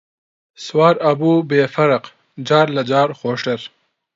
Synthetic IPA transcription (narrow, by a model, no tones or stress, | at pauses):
swaːɾɐbuːbeːfɐɾɐq | d͡ʒaːɾlɐd͡ʒaːɾxoːʂʈɐɾ